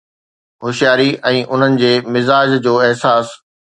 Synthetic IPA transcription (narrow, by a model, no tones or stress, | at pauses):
ɦʊʃijaːɾiʔɛ̃ːʔʊn̤ənɪ̆d͡ʑeːmɪzaːd͡ʑd͡ʑoːɪɦsaːs